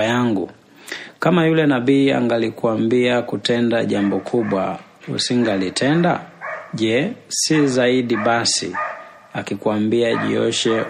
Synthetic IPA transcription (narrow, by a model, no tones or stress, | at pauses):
jaŋɡṵ | kamajulɛnabiːa̰ŋɡalikuambiakutɛndaʄambɔkʰuɓwa̰ | ṵsiŋɡalitʰɛnda̰ʄɛsizaiɗiɓasḭ | akikuambiaʄḭɔʃɛ